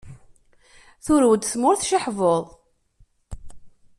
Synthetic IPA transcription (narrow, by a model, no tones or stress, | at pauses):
θʊɾwəd̪θmʊɾθʃəħvoðˤ